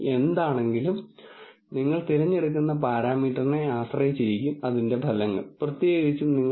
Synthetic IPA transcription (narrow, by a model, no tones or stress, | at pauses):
e̞nd̪aːɳe̞ŋɡilum | niŋːɐɭt̪iɾɐɲːeɽukːunːɐpaːɾaːmiːʈːɐrine̞aːɕrɐjit͡ɕːiɾikʲːumɐðinde̞bʱɐlɐŋːɐ̰ɭprɐt̪jeːɣit͡ɕːumniŋːɐ